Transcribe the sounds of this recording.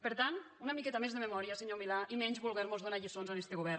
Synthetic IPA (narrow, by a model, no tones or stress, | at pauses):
pəɾt̪an | unamikɛt̪amezðəmemɔɾijaseɲomilaʔimɛɲzβulˠɣɛɾmozðonaʎisonzanest̪eɣuβɛɾ